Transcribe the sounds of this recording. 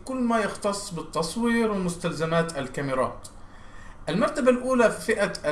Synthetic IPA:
kʊlːmajɪxt̪ɑsˤːbɪt̪ːɑsˤwiːɾwɪmʊst̪alzamaːt̪alkamɪɾˤɑ̰ːt̪ | ʔɪlmɑɾˤt̪abalʔuːlafifɪʔaʔ

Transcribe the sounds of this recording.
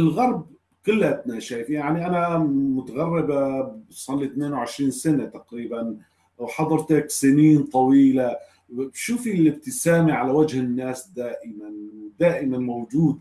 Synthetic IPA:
ɪlɣɑɾˤb̚ | qɪlːat̪̚naʃaːjɪfjaʕniʔanamʊt̪aɣarːɪbasˤɑlːit̪neːnwʕɪʃɾiːnsanat̪aqɾiːban | wħɑðˤɑɾˤt̪aksɪniːnt̪ˤɑwiːla | bʃuːfilɪb̚t̪ɪsaːmiʕalawad͡ʒhɪnːaːsd̪aːʔɪmand̪aːʔɪmanmowd͡ʒuːd̪̚

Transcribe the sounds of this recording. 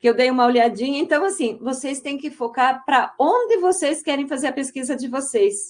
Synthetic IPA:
kɪewd̪ejũmɐoliad͡ʒĩɲɐẽnt̪ɐ̃w̃asĩvosejst̪ẽj̃kɪfokaɾpɾɐõnd̪ɪvosejskɛɾẽj̃fazeɾɐpeskizɐd͡ʒɪvosejs

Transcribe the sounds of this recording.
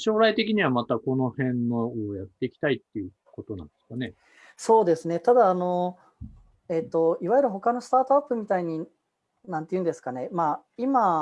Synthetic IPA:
ɕo̞ːɾait̪e̞kʲiɲ̟iβamat̪ako̞no̞hẽ̞nːoojat̪ːe̞ikʲi̥t̪ait̪ːejɯ̟ | ko̞t̪o̞nã̰nd̪eskane̞ | so̞ːd̪e̞sɨne̞t̪ad̪aːno̞ | e̞t̪ːo̞iβajɯɾɯ̟ɦo̞kano̞sɨ̥t̪aːt̪o̞apːɯ̟mʲit̪aiɲ̟i | nãnt̪e̞jiɯ̟̃nd̪e̞sɨ̥kane̞ma | ima

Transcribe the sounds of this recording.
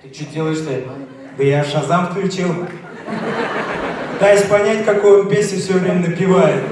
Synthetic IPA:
t̪ɨt͡ɕut̚ʲdʲelˠəjɪʂt̪ɛt̪ə | b̪ɨjaʂɐzamfklʲɪt͡ɕelˠ | pɨt̪ajɪsʲpɐnʲætʲkɐkojʊbɨpʲesʲnʲɪfsʲovʲɾʲemʲɪnəpʲɪvajɪt̪

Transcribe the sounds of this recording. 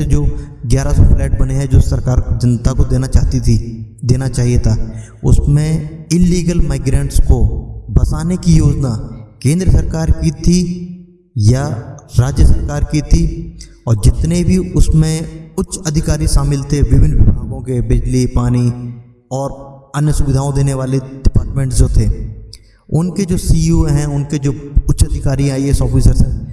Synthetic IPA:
ed͡ʒoːɡjaːɾasɔflɛːʈ̚bɐneɦɛ̃d͡ʒoːsɐɾkaːɾd͡ʒɐnt̪akod̪eːnat͡ʃaːɦt̪id̪eːnat͡ʃaːɦiet̪ʰaː | ʊ̰smẽɪlːiːɡəlmaːɪɡɾẽːɳʈskobɐsaːnekijoːd͡ʒnakẽːnd̪ɾəsɐɾkaːɾkit̪ʰi | jaɾaːd͡ʒjəsɐɾkaːɾkit̪ʰi | ɔːɾd͡ʒɪt̪nebʱiʊsmẽʊtːʃʰɐd̪ʱɪkaːɾiʃaːmɪlt̪ʰeʋɪʋɪnʋɪbʱaːɡõkebɪd͡ʒlipaːni | ɔːɾɐnjəsʊʋɪd̪ʱaːõd̪eːneʋaːleɖ̥ɪpaːɾʈmẽːɳʈsd͡ʒoːt̪ʰeː | ʊnked͡ʒoːsiːjuɦɛ̃ʊnked͡ʒoːʊtːʃɐd̪ʱɪkaːɾiaːieɪsɔːfiːsəɾsɦɛ̃ː

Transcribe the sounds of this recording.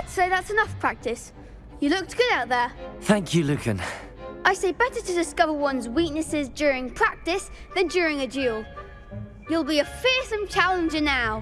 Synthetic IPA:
lɛtseɪðætsənʌfpʰɹ̥æk̚tɪs | jɨlʊk̚t̚ɡ̥ʊɾaʊt̪̚ðə˞θæ̃ŋkʰjɨlʉkɨ̰̃n | ʔaɪseɪbɛɾə˞tʰɨdɪskʌvə˞wʌ̃nzwiˑk̚nɨsɪzd͡ʒʊɹɪ̃ŋpʰɹ̥æk̚tɪs | ðɨ̃nd͡ʒʊɹɪ̃ŋɨd͡ʒʉlˠ | julˠbiəfɪɹsə̃mt͡ʃʰalˠə̃nd͡ʒə˞naʊ

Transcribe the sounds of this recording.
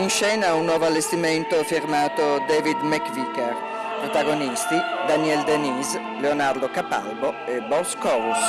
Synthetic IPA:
inʃɛːnaunːɔːvoalːest̪imɛnt̪ofiɾmaːt̪od̪ɛːvid̪mɛkvikɛɾ | pɾot̪aɡonist̪id̪aniɛld̪eniːs | leonaɾd̪okapa̰lboɛbɔskɔɾus

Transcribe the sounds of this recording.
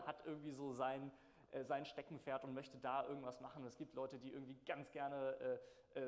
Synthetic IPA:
hatʔɪɐɡŋ̩tv̥iːzoːzaɪn | ʔɛːzaɪnʃtɛkŋ̩feːɐtʊntmœçtədaːʔɪɐɡŋ̩tv̥asmaχn̩ʊnɛsɡ̥iːp̚tʰlɔʏtədiːʔɪɐɡŋ̩tv̥iːɡ̥ant͡sɡ̥ɛɐnəʔɛː | ʔɛː

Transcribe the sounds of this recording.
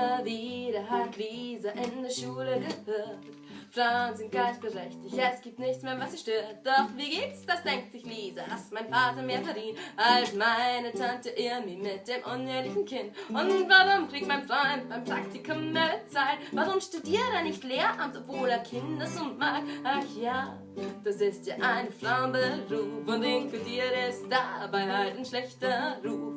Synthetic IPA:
viːɾɐɦatliːzaʔɪndɛːɐʃuːləh | fʁ̥aʊnzɪnt̚ɡ̥aɪtɡ̥əʁɛçtɪçjasɡ̥iːp̚tnɪçt͡smeːɐvasiːʃtøːt̚d̥ɔχviːɡeːtsd̥asd̥ɛŋk̚tsɪçliːzala̰stmaɪnfaːtɐmeːɐfɛɐdiːnʔalsmaɪnətʰantəʔɪmimɪt̚d̥eːmʔʊneːlɪçn̩kʰɪntʔʊnvaʁʊmkʁ̥ik̚tmaɪnfʁɔʏnt̚b̥aɪmpʁ̥aktɪkʰʊmːɛt͡saɪnvaʁʊmʃtudiːʁeːɐnɪçtleːɐʔamtɔpv̥oːleːɐkʰɪndasʊnmaːk̚ʔaxjaː | d̥asɪstjaʔaɪnfʁaʊnbəʁuːfʊntɪŋkludiːʁəɛsd̥abaɪhaltanʃlɛçtɐʁuːf

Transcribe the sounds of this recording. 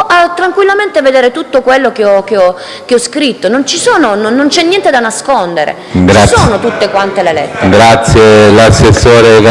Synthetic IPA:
at̪ːɾaŋkwilːament̪eved̪eːɾet̪ut̪ːokwelːokeɔk̟eɔ | keɔskɾit̪ːonont͡ʃisoːnononːont͡ʃɛnːjɛnt̪ed̪anaskond̪eɾḛ | ɡt͡ʃaisoːnot̪ut̪ːekwant̪elelɛ̰t̪ːɾɡɾat̪sːjelasːesːoːɾek

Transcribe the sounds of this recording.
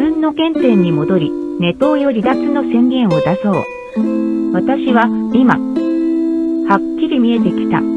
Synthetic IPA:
ɯ̟̃nːo̞kẽ̞nt̪ẽ̞ɲ̟ːimo̞d̪o̞ɾʲine̞t̪o̞ːjo̞ɾʲid̪at͡sɨno̞sẽ̞ŋɡʲẽ̞ɰ̃o̞d̪aso̞ː | βat̪aɕiβaima̰ | hakʲːiɾʲimʲie̞t̪e̞kʲi̥t̪a̰

